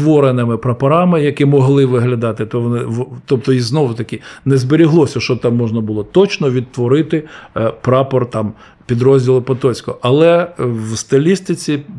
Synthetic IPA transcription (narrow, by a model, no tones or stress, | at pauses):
ʋɔɾenɪmɪpɾɐpɐɾɑmɪjɐkɪmɔɦlˠɪʋɪɦlʲɐd̪ɑt̪ɪt̪ɔʋɔnɪʋɔt̪ɔp̚t̪ɔiznɔʋʊt̪ɐkʲɪnɛzbɪɾʲiɦlˠɔsʲɐʃt͡ʃɔt̪ɑmːɔʒnɐbʊlˠɔt̪ɔt͡ʃnɔʋʲid̪̚t̪ʋɔɾɪt̪ɪpɾɑpɔrt̪ɑm | pʲid̪ɾɔzʲdʲilˠɪpɐt̪ɔsʲkɔʔɐlˠɛwst̪ɐlʲist̪ɪt͡sʲi